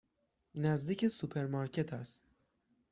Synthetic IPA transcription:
næzd̪iːcʰe̞supʰe̞ɾmɑɾcʰe̞t̪ʰæst̪

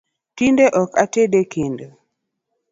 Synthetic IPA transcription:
tindeʔɔkatedekʰendo

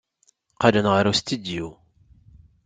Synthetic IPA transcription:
qalənʁəɾust̪id̪ju

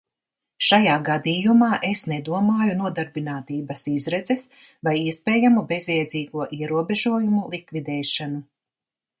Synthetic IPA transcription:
ʃajaːɡad̪iːjumaːʔesnɛd̪uɔmaːjunuɔd̪aɾbinaːt̪iːbɐsizɾɛd̪zɛs | vajiɛspɛːjamube̞zɛjd̪ziːɡuɔʔiɛɾuɔbeʒuɔjumulˠikvid̪ɛːʃanu

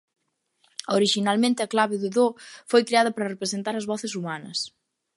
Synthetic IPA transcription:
oɾiʃinalmẽnt̪ɪɐklaβɪðʊðofojkɾeaðɐpɾɐrepɾesent̪aɾɐzβɔθɪsumanɐs

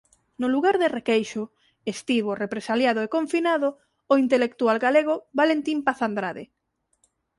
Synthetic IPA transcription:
nʊluɣaɾðerekejʃʊ | est̪iβ̞orepɾesaljaðoekõɱfinaðoː | int̪elek̚t̪ualɡaleɣ̞oβalent̪impaθand̪ɾaðɪ

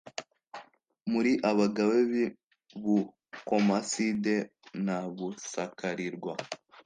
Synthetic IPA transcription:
muɾiʔaβaɡaweβi | βu | komasidenaβusakʰaɾiɾɡwa

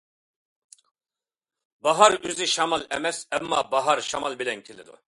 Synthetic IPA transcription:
baɦaɾyziʃamalɛmɛsɛmːa̰baɦaɾʃamalbilɛnkʲʰilid̪ṵ

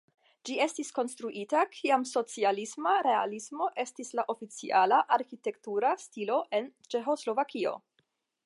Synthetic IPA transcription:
d͡ʒie̞stisko̞nstɾuʔitakʰiamso̞t͡sialismaɾe̞a̰lismo̞ʔe̞stislaʔo̞fit͡sḭʔalaʔaɾxite̞ktuɾastilo̞ʔe̞nt͡ʃe̞xo̞slo̞vakio̞̰

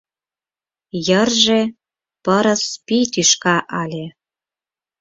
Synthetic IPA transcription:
jərʒe | pəɾə̆spit̪yʃkɑʔɑlʲe

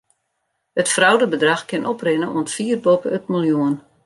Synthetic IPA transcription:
hətfrawdəbədraxkɪnʔɔprɪnəʔuəntfiːrbopəøtmilˠjuən

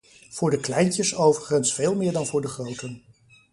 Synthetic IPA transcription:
v̥ʊːɹdəklɛjncəsowvəχənsfeːlˠmɪːɹdɑnvʊːɹdəχrowtən

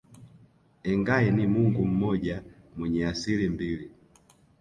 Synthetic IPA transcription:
ɛŋɡaɛnimuŋɡum̩mɔɟa | mwɛɲɛasilimbili

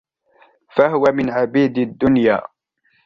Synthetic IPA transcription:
faɦʊwamɪnʕabiːd̪ad̪ːʊnja̰ː

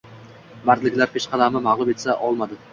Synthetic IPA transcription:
baɾlɪkʲlaɾpʰeʃqʰɑd̪amɪmaʁlˠʊme̞t̪saʔɒlˠmad̪ɪ

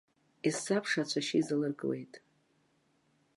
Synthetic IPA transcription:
isːapʰʂat͡ʃʷʰaʃiizɨlɨrɡwḛjtʼ

